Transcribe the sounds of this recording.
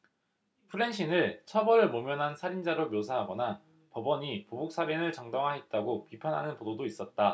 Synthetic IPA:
pʰɯɾe̞nɕʰinɯɭt͡ɕʰʌbʌɾɯɭmomjʌnɦansʰaɾind͡ʑaɾomjosʰaɦaɡʌna | pʌbʌɲipobok̚s͈abinɯɭt͡ɕʌŋdʌŋɦaet̚t͈aɡopipʰanɦa̰nɯnpododois͈ʌt̚t͈a

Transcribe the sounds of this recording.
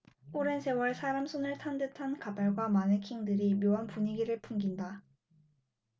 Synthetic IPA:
oɾe̞nsʰe̞wʌɭsʰaɾamsʰonɯɭtʰandɯtʰankadaɭɡwamanɯkʰiŋdɯɾimjoɦanpuɲiɡiɾɯɭpʰuŋɡinda

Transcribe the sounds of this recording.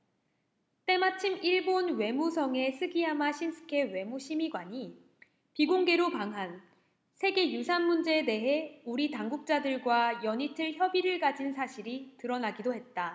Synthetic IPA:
t͈e̞mat͡ɕʰimiɭbonwe̞musʰʌŋe̞sʰɯɡiɦamaɕʰimsʰɯ̥kʰe̞we̞muɕʰimiɡwaɲi | piɡoŋɡe̞ɾopaŋɦan | sʰe̞ɡe̞jusʰanmund͡ʑe̞ːde̞ɦe̞uɾitaŋɡuk̚t͡ɕ͈adɯɭɡwajʌɲitʰɯɭçjʌbiɾɯɭɡad͡ʑinsʰaɕʰiɾitɯɾʌnaɡidoɦe̞t̚t͈a

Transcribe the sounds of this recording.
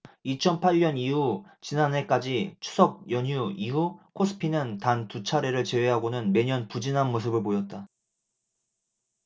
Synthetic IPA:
it͡ɕʰʌnpʰaʎːɲʌniɦut͡ɕinane̞k͈ad͡ʑit͡ɕʰu̥sʰʌk̚jʌɲuiɦukʰosʰɯ̥pʰinɯntantut͡ɕʰaɾe̞ɾɯɭt͡ɕe̞we̞ɦaɡonɯnme̞ɲʌnpud͡ʑinɦanmos̬ʰɯbɯɭpojʌt̚t͈a

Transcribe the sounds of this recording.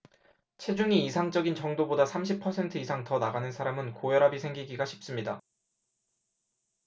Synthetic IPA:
t͡ɕʰe̞d͡ʑuŋiːsʰaŋd͡ʑʌɡint͡ɕʌŋdobodasʰamɕ̬ʰipʰʌsʰe̞ntʰɯisʰaŋtʌnaɡanɯnsʰaɾamɯnkojʌɾabisʰe̞ŋɡiɡiɡaɕʰi̥p̚s͈ɯmɲida

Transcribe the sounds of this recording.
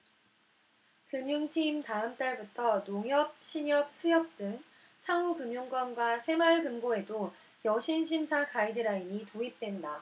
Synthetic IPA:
kɯmjuŋtʰimtaɯmt͈aɭbutʰʌnoŋɦjʌp̚ɕʰiɲʌp̚sʰujʌp̚t͈ɯŋ | sʰaŋukɯmjuŋɡwʌmɡwasʰe̞mʌɭkɯmɡoe̞do | jʌɕʰinɕʰimsʰakaidɯɾainitoip̚t͈we̞nda

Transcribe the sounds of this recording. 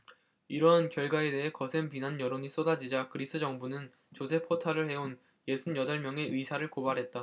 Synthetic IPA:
iɾʌnkjʌɭɡwae̞de̞ɦe̞kʌsʰempinanjʌɾoɲis͈odad͡ʑid͡ʑakɯɾis͈ʰɯd͡ʑʌŋbunɯn | t͡ɕosʰe̞pʰotʰaɾɯɭhe̞on | je̞sʰunjʌdʌɭmjʌŋe̞ʔɯisʰaɾɯɭkobaɾɦe̞t̚t͈a

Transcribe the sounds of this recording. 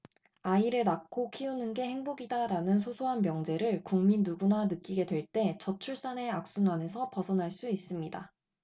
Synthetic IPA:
aiɾɯɭnakʰokʰiunɯnɡe̞he̞ŋboɡidaɾanɯnsʰosʰoɦanmjʌŋd͡ʑe̞ɾɯɭkuŋminːuɡunanɯk͈iɡe̞dwe̞ɭt͈e̞t͡ɕʌt͡ɕʰuɭs͈ane̞ak̚s͈unwane̞sʰʌpʌsʰʌnɦaɭs͈uis͈ɯmɲida̰

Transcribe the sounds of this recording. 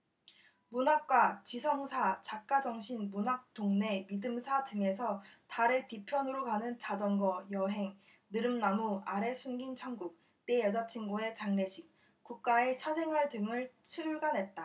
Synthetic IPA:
munak̚k͈wat͡ɕisʰʌŋsʰat͡ɕak̚k͈ad͡ʑʌŋɕʰinmunak̚t͈oŋne̞midɯmsʰadɯŋe̞sʰʌtaɾetipʰjʌnɯɾokanɯnt͡ɕad͡ʑʌŋɡʌjʌɦe̞ŋ | nɯɾɯmnamuaɾe̞sʰunɡint͡ɕʰʌŋɡuk̚ | t͈e̞jʌd͡ʑat͡ɕʰinɡoe̞t͡ɕaŋne̞ɕʰik̚ | k͈uk̚k͈ae̞t͡ɕʰasʰe̞ŋɦwaɭdɯŋɯɭt͡ɕʰiɾuɭɡanɦe̞t̚t͈a

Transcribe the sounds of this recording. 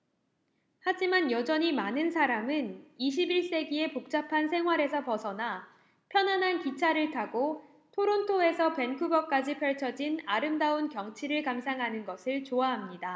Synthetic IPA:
had͡ʑimanjʌd͡ʑʌɲimanɯnsʰaɾamɯniɕ̬ʰibiɭs͈e̞ɡie̞pok̚t͡ɕ͈apʰansʰe̞ŋɦwaɾe̞sʰʌpʌsʰʌna | pʰjʌnɦanɦankit͡ɕʰaɾɯɭtʰaɡo | tʰoɾontʰoe̞sʰʌpe̞nkʰuɡʌk͈ad͡ʑipʰjʌɭt͡ɕʰʌd͡ʑinaɾɯmdaunkjʌŋt͡ɕʰiɾɯɭkams̬ʰaŋɦanɯnɡʌsʰɯɭt͡ɕoaɦamɲida

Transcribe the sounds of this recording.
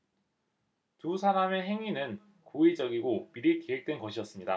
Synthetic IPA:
tusʰaɾame̞ɦe̞ŋinɯn | koed͡ʑʌɡiɡopiɾikeɦek̚t͈wenɡʌɕʰijʌs͈ɯmɲida

